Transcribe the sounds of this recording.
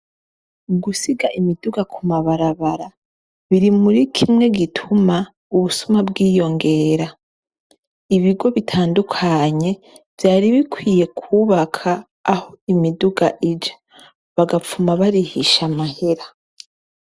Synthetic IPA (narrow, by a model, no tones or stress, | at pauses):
ɡusiɡaʔimiduɡakumaβaɾaβaɾa | βiɾimuɾikʰimŋe̞ɡitʰuma | uβusumabɡiːjo̞ŋɡe̞ːɾa | iβiɡo̞βitʰaːndukʰaɲe̞ | v̥jaːɾiβikwiːje̞kʰuːβakʰaː | ho̞imiduɡaʔid͡ʒḁ | βaɡap͡fumaβaɾihiʃamahe̞ɾa